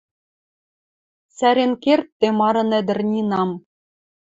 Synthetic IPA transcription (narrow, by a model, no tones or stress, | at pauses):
sæɾʲenkʲerʲt̪ʲːemɑɾɤ̆nɘ̆d̪ɘ̆rʲnʲinɑm